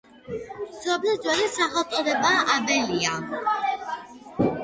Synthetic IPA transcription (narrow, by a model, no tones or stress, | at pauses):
sɾɔblɛd̪zwɛlisaχɛlˠt̪sʼɔd̪ɛbaʔabɛlia